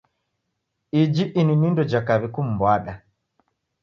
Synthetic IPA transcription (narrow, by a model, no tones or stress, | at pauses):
id͡ʒiʔininindɔd͡ʒakaβikum̩bwaɗa